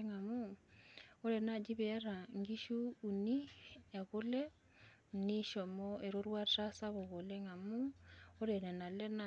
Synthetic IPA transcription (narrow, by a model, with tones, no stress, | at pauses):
ŋa˨mu˦ | o˦ɾɛ˨na˦˨d͡ʒi˦bɛ˨˦ɾa˨ŋɡi˦ʃuː˦˨ni˦ja˨ko˦lɛ˦ | m̩˨ni˦ʃɔ˨mɔ˦e˨ɾo˦ɾwa˦ta˦sa˦βɔ˨ɣo˨lɛ˦ŋa˨mu˦o˦ɾɛ˨nɛ˨na˨lɛ˦na˨